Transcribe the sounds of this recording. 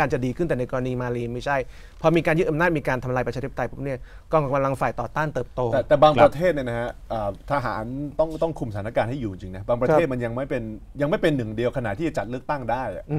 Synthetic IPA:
aː˧nt͡ɕa˨˩diː˧kʰɯ˥˩t̪ɛ˨˩na˧jkɔː˧ɾa˧niː˧maː˧liː˧ma˥˩jt͡ɕʰa˥˩j | pʰɔː˧miː˧kaː˧njt̪ʔmnaː˥˩miː˧kaː˧nt̪ʰa˧mlaː˧jpa˧t͡ɕaː˧˦˥tːa˧˩pʰo˦˥ni˥˩ɐ | kɔː˥˩ka˧mla˧ŋfaː˨˩jt̪ɔː˨˩t̪aː˥˩nt̪ɤː˨˩p̚t̪oː˧˨˩t̪ɛː˨˩baː˧ŋpɾa˧t̪ʰeː˥˩t̪̚ni˥˩əna˦˥ka˦˥ʔəː˨˩t̪ʰa˧ɦa̰ː˩˦nt̪ɔ˥˩ŋt̪ɔ˥˩ŋkʰu˧msatʰaː˨˦na˦˥kaː˧nha˥˩ju˨˩i˧ŋt͡ɕi˧ŋna˦˥baː˧pɾa˧˥˩t̪m˧nja˧ŋma˥˩jpe˧n | ja˧ŋma˥˩jpe˧nːɯ˨˩ŋdi˧əwkʰna˨˩t̪ʰːiː˥˩t͡ɕa˨˩t͡ɕa˨˩t̪̚lɯ˥ək̚t̪a˥˩ŋdaː˥˩jʔa̰˩ʔ

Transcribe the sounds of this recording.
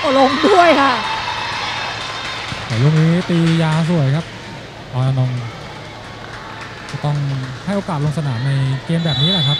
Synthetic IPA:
lo˧ŋdu˥˩əjkʰa˥˩ʔ | t̪ɛː˨˩˦ju˧˩ŋniː˦˥t̪iː˧jaː˧s̬u˨˩əjkʰa˦˥p̚ | ɔː˧˩ʔa˧nɔ˧ŋ | t͡ɕa˨˩t̪ɔ˥˩ŋha˥˩jʔoː˧kaː˨˩t̪lo˧ŋsa˧naː˩˦mna˧jkeː˧mbɛː˨˩p̚niː˦˥lɛ˨˩kʰa˦˥p̚

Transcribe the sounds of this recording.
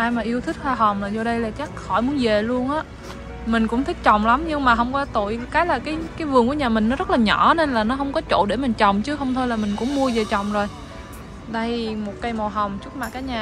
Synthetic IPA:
ʔaː˧jmaː˨˩ʔi˧əwt̪ʰï˦˥k̚haː˧ɦə˨˩wŋ͡mlaː˨˩zɔ˧ɗə˧jlaː˨˩t͡ɕaː˦˥k̚xɔ˧˩jmu˨˦ənve˨˩lu˧ənʔaː˨˦ | mï˨˩ŋ̟kʊ̰˧˥ŋ͡mt̪ʰï˦˥k̚t͡ɕɔ̰˧˨wŋ͡mla˨˦mɲɨ˧ŋmaː˨˩ɦə˧wŋ͡mkɔ˨˦t̪ṵ˧˨jkaː˨˦jlaː˨˩kaː˨˦jkaː˨˦jvɨ˨˩əŋku˧˩ə˦ɲaː˨˩mï˨˩ŋ̟nɔ˨˦zə˦˥t̚laː˨˩ɲɔ˧˩ne˧nlaː˨˩nɔ˨˦ɦə˧wŋ͡mkɔ˨˦t͡ɕo̰˧˨ɗe˧˩mï˨˩ŋ̟t͡ɕɔ̰˨wŋ͡mt͡ɕɨ˨˦ɦə˧wŋ͡mt̪ʰo˧jlaː˨˩mi˨˩ŋ̟kʊ̰˧˥ŋ͡mmu˧əze˨˩t͡ɕɔ̰˧˨wŋ͡mzo˨˩j | ɗa˧jmo˨˩t̚ka˧jmo˨˩ɦə˨˩wŋ͡mt͡ɕu˦˥t̚maː˨˩kːaː˨˦jɲaː˨˩

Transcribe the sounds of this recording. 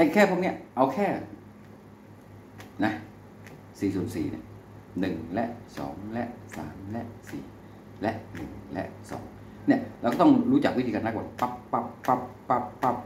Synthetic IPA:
ʔ̪a˧˩kʰɛː˥˩pʰoː˧˥ni˥˩ɐʔa˧wkʰɛː˥˩ | na˦˥ | siː˨˩su˨˩ənsḭː˨˩nḭ˦˥˩ | nɯ˨˩ŋlɛ˦˥ʔsɔ̰ː˩˦ŋlɛ˦˥ʔsa̰ː˩˦mlɛ˦˥ʔsḭː˨˩ | lɛ˦˥ʔnɯ˨˩ŋlɛ̰˦˥ʔsɔ̰ː˩˦ŋ | ni˥˩ɐɾa˧wkɔː˥˩t̪ɔ˥˩ŋɾuː˦˥t͡ɕa˨˩k̚wt̪ʰiː˧ka˧na˦˥kwa̰˨˩pa˧˩ppːa˧˩pːa˦˧ppːa˧˩pːa˦˧˩p̚

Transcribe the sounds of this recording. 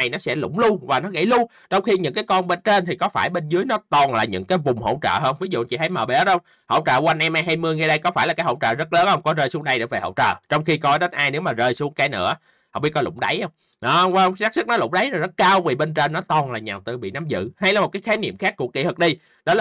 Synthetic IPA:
a˨˩jnɔ˨˦sɛ̰˧˥lʊ̰˧˥ŋ͡mlu˧əŋvaː˨˩nɔ˨˦ɣa̰˧˩jlu˧əŋ | t͡ɕɔ˧wŋ͡mxi˧ɲɨ̰˧˥ŋkaː˨˦jkɔ˧nɓe˧nt͡ɕe˧nt̪ʰi˨˩kɔ˨˦faː˧˩jɓe˧nzɨ˨˦əjnɔ˨˦t̪ɔ˨˩nlaː˨˩ɲɨ̰˧˥ŋkaː˨˦jvʊ˨˩ŋ͡mho̰˧˩wt͡ɕə̰ː˧˨ɦəː˧nvi˨˦zṵ˧˨t͡ɕḭ˧˩ta˧˨˦jməː˨˩ɓɛ˨˦˥ə˧wŋ͡m | ho̰˧˩˨wt͡ɕə̰ː˧˨kwa˧nʔɛ˧mʔaː˧jɦa˧jmɨ˧əjŋɛ˧ɗə˧jkɔ˨˦faː˧˩jlaː˨˩aː˨˦jhə̰˧˨wt͡ɕə̰ː˧˨˩zə˦˥t̚ləː˨˦nhə˧wŋ͡mkɔ˨˦zəː˧jsu˨˦əŋɗa˧jɗɨ̰˧˩ve˨˩hə̰˧˨wt͡ɕə̰ː˨˩t͡ɕɔ˧wŋ͡mxi˧kɔ˨˦ɗə˨˦nʔaː˧jne˨˦˥wmaː˨˩zəː˧˩jsu˨˦əŋkaː˨˦jnɨ̰˧˥ə | hŋ͡mɓi˦˥kɔ˨˧lʊ̰˧˩ŋ͡mɗa˨˦jhə˧wŋ͡m | ɗɔ˨˦˧və˧wŋ͡msaː˦˥sɨ˦˥k̚nɔ˨˦lʊ̰˧˩ŋ͡mɗa˨˦jzɔ˨˩zə˦˥t̚kaː˧wvi˨˩ɓe˧nt͡ɕe˧nːɔ˨˦t̪ɔ˨˩nlaː˨˩ɲaː˨˩wt̪ɨ˧˩ɓḭ˧˨naː˨˦mzɨ̰˧˨ha˧jlaː˨˩m̚˨˩kːjxaː˨˦jnḭ˧˨əmxaː˦˥kːu˧˩əkḭ˧˩t̪ɨ˨˩k̚ɗi˧ | ɗɔ˨˦l

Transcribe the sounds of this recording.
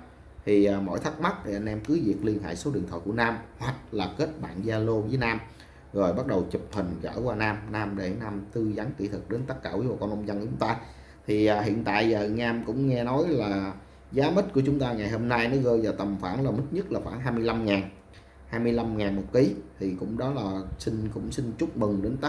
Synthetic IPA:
t̪ʰiː˨˩˨mo̰˧˥˨jt̪ʰa˦˥k̚ma˦˥t̚ɗi˨˩ʔa˧nʔɛ˧mkɨ˨˦vi˨˩ək̚li˧ənɦa̰ː˧˨jso˨˦ɗɨ̰˨t̪ʰw̰ɔ̰ː˧˨jku˧˩ənaː˧mhwa˨˩k̚laː˨˩ke˦˥t̚ɓa̰ː˧˨nzaː˧lo˧vəː˨˦naː˧m | zo˨˩jɓa˦˥ɗə˨˩wt͡ɕɨ˨˩p̚hï˨˩ŋ̟ɣə̰ː˧˩kwaː˧naː˧mnaː˧mɗe˧˩naː˧mt̪ɨ˧za˨˦ŋkḭ˧˩t̪ʰɨ˨˩k̚ɗe˨˦nt̪ə˦˥kaː˧˩kwi˨˦o̰˧˨˩kɔ˧nʔə˧wŋ͡mzə˧nkːt͡ɕʊ˨˦ŋ͡mt̪aː˧ | t̪ʰi˨˩ʔaː˨˩hḭ˧˨ənt̪a̰ː˧˨jaː˨˩naː˧mkʊ̰˧˥ŋ͡mŋɛ˧nɔ˨˦jlaː˨˩ | zaː˨˦mï˦˥t̚ku˧˩ət͡ɕʊ˨˦ŋ͡mt̪aː˧ŋa˨˩jho˧mna˧jnɔ˨˦ɣəː˧jvaː˨˩t̪ə˨˩mfaː˧˩nləː˨˩mi˦˥t̚ɲə˦˥t̚laː˨˩xwaː˧˩nɦaː˧jmɨ˧əjla˧mŋaː˨˩n | haː˧jmɨ˧əjla˧mŋaː˨˩nmo˨˩t̚ki˨˦t̪ʰi˨˩kʊ̰˧˥ŋ͡mɗɔ˨˦laː˨˩si˧ŋ̟kʊ̰˧˥ŋ͡msï˧ŋt͡ɕʊ˦˥k͡p̚mɨ˨˩ŋɗe˨˦nt̪ə˦˥

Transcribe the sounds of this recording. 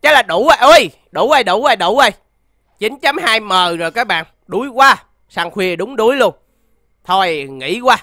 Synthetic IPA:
t͡ɕa˨˦laː˨˩ɗu˧˦ʔə˨˩ʔə˧j | ɗu˧˩ʔə˧jɗu˧˩˦ʔə˧˩jɗu˧˩˦ʔə˧j | t͡ɕi˨˦nt͡ɕa˨˦mhaː˧jməː˨˩zo˨˩jkaː˨˦˥k̚ɓa̰ː˧˨n | ɗu˨˦jkwaː˧˩ | saː˧˩ŋxwi˧˩əɗʊ˨˦ŋ͡mɗu˨˦əjlu˧ən | t̪ʰo˧˩jŋḭ˧˥kwaː˧

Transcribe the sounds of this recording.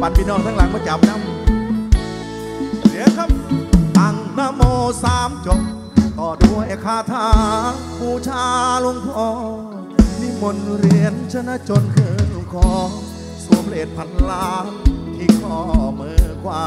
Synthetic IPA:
ba˨˩t̪̚miː˧nɔː˧˩ŋt̪ʰaː˦˧˩laː˨˦jmɔː˧˦t͡ɕa˨˦m̚na˧˦m | si˨˦kʰa˧˥p̚ʔa˨˩ŋna˧˨moː˧saː˧mt͡ɕo˨˧˩ | t̪ɔː˨˩du˧˩ə˨jkʰaː˧˩t̪ʰaː˧ | kuː˧˩t͡ɕʰaː˧lo˧ŋpʰɔː˧ | mi˧˩mo˧nɾi˧ənt͡ɕʰa˧na˧˥t͡ɕo˧nkʰɤː˧˩nlo˧ŋkʰɔː˧ | su˨˦əpʰɾa˧ʔeː˨˩t̪̚pʰa˧˦nlaː˧t̪ʰiː˧˩kʰɔː˧mɯː˧˩kʰwaː˧

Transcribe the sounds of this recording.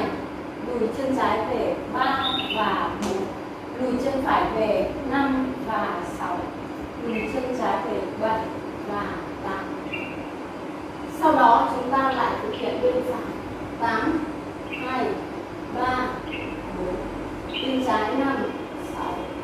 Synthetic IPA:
a˨˩j | ɗu˨˩jt͡ɕə˧ənt͡ɕaː˨˦jveː˨˩ɓaː˧vaː˨˩ɓo˨˩n̚ | ɗu˨˩jt͡ɕɨ˧ənfaː˨˩˦jveː˨˩na˧mvaː˨˩sa˨˦w | ɗu˨˩jt͡ɕə˧ənt͡ɕaː˨˦jveː˨˩ɓə˨˩j | vaː˨˩ | t̪aː˨˩n | sa˧wɗɔː˨˦t͡ɕʊ˨˦ŋ͡mt̪aː˧la̰ː˧˨jt̪ʰɨ˨˩t̚hʰḭ˧˨ənɗi˧ənfaː˨˦j | t̪aː˨˦m | haː˧˩j | ɓaː˧˩ | ɓo˨˦n | ɗi˧nt͡ɕaː˨˦jna˧m | sa˨˦w

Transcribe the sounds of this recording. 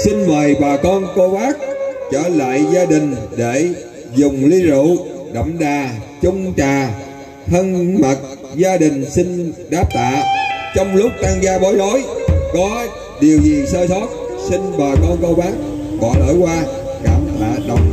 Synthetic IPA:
si˧ŋməː˨˩jɓaː˨˩kɔ˧nko˧ɓaː˦˥k̚t͡ɕəː˧˩la̰ː˧˨jzaː˧ɗï˨˩ŋ̟ɗe˧˩ | zʊ˨˩ŋ͡mli˧zṵ˧˨ɗə̰˧˨wŋ͡mɗaː˨˩t͡ɕʊ˧ŋ͡mt͡ɕaː˨˩ | h̪ʰə˧nma˨˩t̚ | zaː˧ɗï˨˩ŋ̟si˧ŋ̟ɗaː˦˥p̚t̪a̰ː˧˨t͡ɕɔ˧wŋ͡mlʊ˦˥k͡p̚ɗaː˧ŋɣaː˧ɓɔ˨˦jzo˨˦jkɔ˨˦ | ɗi˨˩əwzi˨˩səː˧sɔ˦˥t̚sï˧ŋɓaː˨˩kɔ˧nko˧ɓaː˦˥k̚ | ɓɔ̰˧˨lə̰ː˧˩jkwaː˧ɣa˨˩p̚la̰ː˨˩ɗə˨˩wŋ͡m

